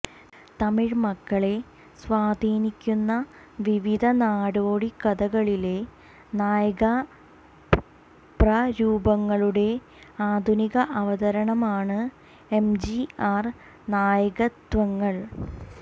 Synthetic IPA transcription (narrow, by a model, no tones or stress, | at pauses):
t̪ɐmiɻmɐkːɐɭe̞ | sʋaːd̪ʱiːnikʲːunːɐ | ʋiʋid̪ʱɐnaːɽoːɽikɐd̪ɐɣɐɭile̞ | naːjɐɣɐ | prɐɾuːbɐŋːɐɭuɽe̞ | aːd̪ʱuniɣɐʔɐʋɐðɐɾɐɳɐmaːɳɨ | emd͡ʑiaːr | naːjɐɣɐt̪ʋɐŋːɐɭ